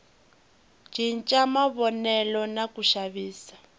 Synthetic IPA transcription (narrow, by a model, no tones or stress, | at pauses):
d͡ʒin̩t͡ʃʼamaβɔnɛlɔnakuʃaβiːsḁ